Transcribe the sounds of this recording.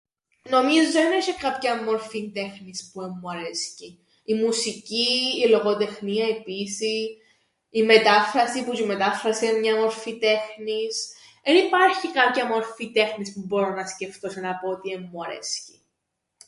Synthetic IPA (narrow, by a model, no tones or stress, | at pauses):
no̞mizðeneçikɐpçɐmːo̞ɾfint̪e̞xnispuemːuɐɾesci | imusiciːlo̞ɣot̪e̞xniɐepisi | ime̞t̪ɐfɾɐsipucime̞t̪ɐfɾɐsiemɲɐmo̞ɾfit̪e̞xnis | enipɐɾçikɐpcɐmo̞ɾfit̪e̞xnispubo̞ɾonɐsce̞ft̪osinɐpoot̪iemːuɐɾḛsci̥